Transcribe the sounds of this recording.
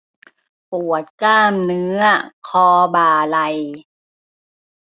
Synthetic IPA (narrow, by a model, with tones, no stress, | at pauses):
pu˨˩ət̪̚kaː˥˩mnɯ˦˥ɐkʰɔː˧baː˨˧˩la˧j